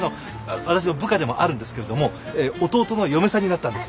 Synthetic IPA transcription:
no | βat̪aɕ̬inobɯ̟kad̪e̞mo̞ʔaɾɯ̟nd̪esɨ̥kee̞d̪o̞mo̞eːot̪o̞ːt̪o̞no̞jo̞me̞saɲ̟inat̪ːãnd̪e̞sɨ̥

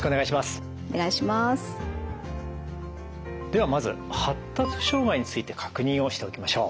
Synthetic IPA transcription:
koneɡaiɕimasɨ̥ | oneɡaiɕimas | d̪̥e̞β̞amazɨ̰ | hat̪ːat͡sɨ̥ɕo̞ːɡaiɲ̟it͡sɨit̪e̞kʰḁkɯ̟ɲ̟ĩɰ̃o̞ɕi̥t̪e̞o̞kʲimaɕo̞ː

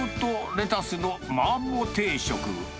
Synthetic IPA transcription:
ɯt̪oɾe̞t̪asɨno̞mamːot̪e̞ːɕo̞̰kɯ̰

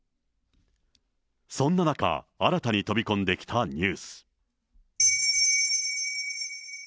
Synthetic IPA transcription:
sõ̞nːanaka̰aɾat̪aɲ̟it̪o̞bʲikõ̞nd̪e̞kʲi̥t̪aɲ̟ɨːsɨ̥

